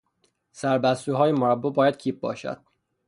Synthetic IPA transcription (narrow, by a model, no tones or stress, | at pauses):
sæɾbæst̪uːɦɒːjemoɾæbːobɒːjæd̪̥̚cʰiːp̚bɒ̰ːʃæ̰d̪̥̚